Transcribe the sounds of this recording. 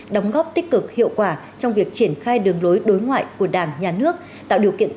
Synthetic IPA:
ɗə˨˦wŋ͡mɣɔ˦˥p̚t̪ï˦˥k̟̚kɨ˨˩k̚hḭ˧˨əwkwaː˧˩ | t͡ɕɔ˧wŋ͡mvi˨˩ək̚t͡ɕi˧˩ənxaː˧jɗɨ˨˩əŋlo˨˦jɗo˨˦jŋwa̰ː˧˨jku˧˩əɗaː˧˩ŋɲaː˨˩nɨ˦˥ək̚ | t̪a̰ː˧˨wɗi˨˩əwkḭ˧˨ənt̪

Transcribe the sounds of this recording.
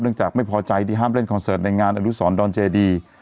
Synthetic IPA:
nɯ˥˩ŋt͡ɕaː˨˩k̚ma˥˩jpʰɔː˧t͡ɕa˧jtiː˧˩ɦaː˥˩mɾe˥˩nkʰɔː˧nsɤː˨˩t̪̚na˧jŋaː˧nʔaː˧nu˦˥sɔː˩˦ndɔː˧nt͡ɕeː˧diː˧

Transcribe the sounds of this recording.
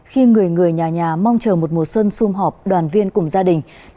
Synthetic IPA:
xi˧ŋɨ˨˩əjŋɨ˨˩əjɲaː˨˩ɲaː˨˩ma˧wŋ͡mt͡ɕəː˨˩mo˨˩t̚mo˨˩t̚swə˧nsu˧mɦɔ˨˩p̚ɗwaː˨˩nvi˧ənkʊ˧˩ŋ͡mzaː˧ɗï˨˩ŋ̟

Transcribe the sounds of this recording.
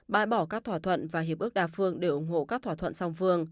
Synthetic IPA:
ɓa̰ː˧˨jɓɔ˧˩kaː˦˥k̚t̪ʰwaː˧˩t̪ʰwə̰˧˨nvaː˨˩ɦi˨˩əp̚ʔɨ˦˥ək̚ɗaː˨˩fɨ˧əŋɗe˧˩ʔʊ˧˩ŋ͡mɦo̰˧˨kaː˦˥k̚t̪ʰaː˧˩t̪ʰə̰˧˨nsa˧wŋ͡mfɨ˧əŋ

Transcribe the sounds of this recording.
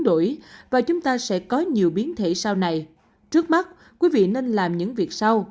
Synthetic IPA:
ɗo̰˧˩jvaː˨˩t͡ɕʊ˨˦ŋ͡mt̪aː˧sɛ̰˧˥kɔ˨˦ɲi˨˩əwɓi˨˦ənt̪ʰḛ˧˩saː˧wna˨˩j | t͡ɕɨ˦˥k̚ma˦˥t̚ | kwi˨˦vḭ˧˨ne˧nlaː˨˩mɲɨ̰˧˥ŋvi˨˩ək̚sa˧w

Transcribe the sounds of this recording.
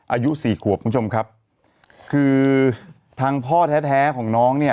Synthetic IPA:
ʔaː˧ju˦˥siː˨˩kʰu˨˩əp̚ku˧˦˥t͡ɕʰo˧mkʰa˦˥p̚ | kʰɯː˧ | t̪ʰaː˧ŋpʰɔː˥˩t̪ʰɛː˦˥t̪ʰɛː˦˥kʰɔː˩˦ŋnɔː˦˥ŋni˥˩

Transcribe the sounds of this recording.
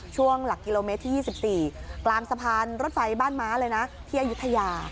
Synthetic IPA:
t͡ɕʰu˥˩əŋla˨˩kːi˧loː˧me˦˥t̪ʰːiː˥jiː˥˩si˨˩p̚siː˨˩klaː˧msa˧pʰaː˧nɾo˦˥t̪̚fa˧jbaː˥˩nmaː˦˥lɤː˧jna˦˥t̪ʰiː˥˩ʔa˨˧ju˦˥t̪ʰːa˧jaː˧

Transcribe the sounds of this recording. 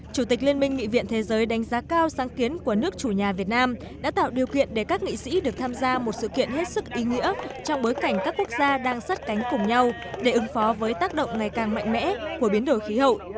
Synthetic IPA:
t͡ɕu˧˩t̪i˨˩k̟̚li˧ənmï˧ŋ̟ŋḭ˧˨vḭ˧˨ənt̪ʰe˨˦zəː˨˦jɗa˨˦jŋ̟zaː˨˦kaː˧wsaː˨˦ŋki˨˦ənku˧˩ənɨ˦˥ək̚t͡ɕu˧˩ɲaː˨˩vi˨˩ət̚naː˧m | ɗa̰ː˧˥t̪a̰ː˧˨wɗi˨˩əwkḭ˧˨ənɗe˧˩kaː˦˥k̚ŋḭ˧˨sḭ˧˥ɗɨ˨˩ək̚t̪ʰaː˧mzaː˧mo˨˩t̚sɨ̰˧˨kḭ˧˨ənhe˦˥t̚sɨ˦˥k̚ʔi˨˦ŋḭ˧˥ət͡ɕɔ˧wŋ͡mɓo˨˦jka˧˩jŋ̟kaː˦˥kːu˦˥ək̚zaː˧ɗaː˧ŋsa˦˥t̚ka˨˦jŋ̟kʊ˨˩ŋ͡mɲa˧w | ɗe˧˩ʔɨ˨˦ŋfɔ˨˦vəː˨˦jt̪aː˦˥k̚ɗə̰˧˨wŋ͡mŋa˨˩jkaː˨˩ŋma̰˧jŋ̟mɛ̰˧˥ku˧˩əɓi˨˦ənɗo˨˩jxi˨˦hə̰˧˨wʔ

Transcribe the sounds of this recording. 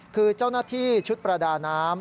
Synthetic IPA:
kʰɯː˧t͡ɕaː˥˩wnaː˥˩t̪ʰiː˥˩t͡ɕʰu˦˥t̪̚pɾa˧daː˧naː˦˥m

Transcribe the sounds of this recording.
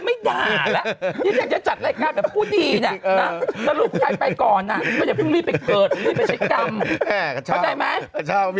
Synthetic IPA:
ma˥˩jdaː˧˩la˨˧˦ɲa˨˦ŋjaː˨˩kt͡ɕa˨˧˩t͡ɕa˨˩t̪̚la˧jkaː˧˩kaː˨˩pʰuː˥˩diː˧ni˧˩˧nɔ˦˥sa˧lu˨˩p̚t͡ɕʰaː˧˩pa˧jjkɔː˨˩nːa˨˩mɔː˧˩ja˨˩pʰu˥˩ŋli˧˥˩pa˨˩kɤː˨˩t̪̚liː˧˥˩pa˨˩t͡ɕʰa˦˥jka˧mʰ˧ | ɔ˧˩t͡ɕa˧jma˦˥j

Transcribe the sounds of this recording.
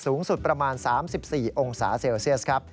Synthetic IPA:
suː˩˦ŋsu˨˩t̪̚pɾa˧maː˧nsaː˩˦msi˨˩p̚siː˨˩ʔo˧ŋsa̰ː˩˦seː˧wsi˥˩əs̚kʰɾa˦˥p̚

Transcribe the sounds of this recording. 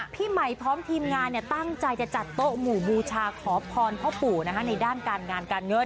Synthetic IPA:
pʰiː˥˩ma˨˩jpʰɾɔː˦˥mt̪ʰiː˧mŋaː˧nːi˧˩ɐt̪a˥˩ŋt͡ɕa˧jt͡ɕa˨˩t͡ɕa˨˩t̪ːo˦˥muː˨˩buː˧t͡ɕʰaː˧kʰɔː˩˦pʰɔː˧npʰɔ˦˥puː˨˩na˦˥kʰa˦˥na˧jdaː˥˩nkaː˧nŋaː˧nkaː˧nŋɤ˦˥n

